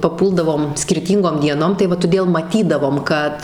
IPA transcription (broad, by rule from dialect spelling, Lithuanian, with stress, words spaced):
pɐˈpuːlˠdɐʋoːm sʲkʲɪrʲˈtʲiːŋɡoːm dʲiɛˈnoːm tɐɪ ˈʋɐ toːˈdʲeːlˠ mɐˈtʲiːdɐʋoːm ˈkɐt